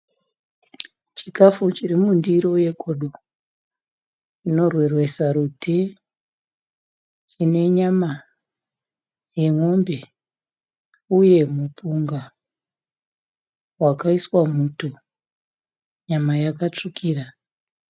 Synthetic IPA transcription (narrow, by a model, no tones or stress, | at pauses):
t͡ʃikafut͡ʃirimundiɾo̞je̞kʰoɗo | ino̞rwerwesaɾutʰe | t͡ʃine̞ɲama | je̞ŋo̞mbe̞ | uje̞mupuŋɡa | wakaiswamuto | ɲamajakat͡ʂukʰiːra